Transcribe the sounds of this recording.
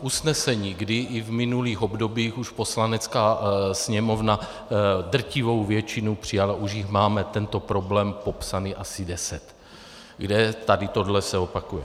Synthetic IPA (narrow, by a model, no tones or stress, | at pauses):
ʔusnɛsɛɲiːɡdɪʔɪvmɪnuliːxo̞bdo̞biːxuʃpo̞slanɛt͡skaːsɲɛmo̞vna | dr̩cɪvo̞wvjɛt͡ʃɪnupr̝̥ɪjalaʔuʒjɪxmaːmɛt̪ɛnt̪o̞pɾo̞blɛːmpo̞psaniːʔasɪdɛsɛt̪ | ɡdɛt̪adɪt̪o̞dlɛsɛopakujɛ